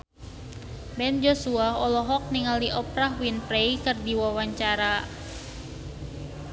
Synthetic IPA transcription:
bɛnd͡ʒosuaɦɔlɔɦɔk̚niŋaldiʔɔpɾahwinpɾeikɨrdiwawaɲt͡ʃaɾa

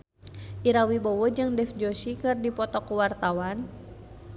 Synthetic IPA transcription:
ʔiɾawibɔwɔd͡ʒɨŋdɛfd͡ʒosikɨrdipɔt̪ɔkuwart̪awan

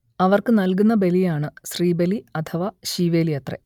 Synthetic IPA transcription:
ɐʋɐrkɨnɐlk̬unːɐbe̞lijaːɳɨɕriːbe̞liɐt̪ʰɐʋaɕiːʋe̞ːlijɐt̪rḛ

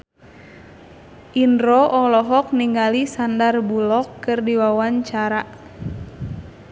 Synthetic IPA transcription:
ʔindɾɔʔɔlɔɦɔk̚niŋɡalisandarbulɔkːɨrdiwawaɲt͡ʃaɾaʔ

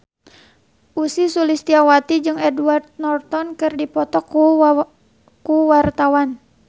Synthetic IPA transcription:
ʔusisulist̪iawat̪id͡ʒɨŋɛduart̪̚nɔrt̪ɔnkɨrdipɔt̪ɔku | kuwart̪awan

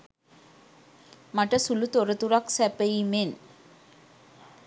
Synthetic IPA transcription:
mɐʈːɐsulut̪ɔɾɐt̪uɾaksɛpːeimen

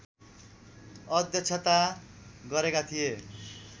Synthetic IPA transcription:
ʌd̪jʌt͡sʰʌt̪aɡʌɾekat̪ʰije

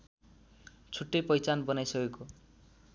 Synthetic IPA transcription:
t͡sʰuʈːepʌjt͡sanbɔnajsʌkeko

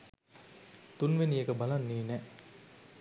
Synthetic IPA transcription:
t̪unʋeniekəbalanːiːnɛ

